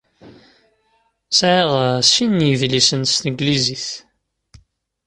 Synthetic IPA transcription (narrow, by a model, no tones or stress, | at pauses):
sʕiʁsinːiðlisənst̪əɡliziθ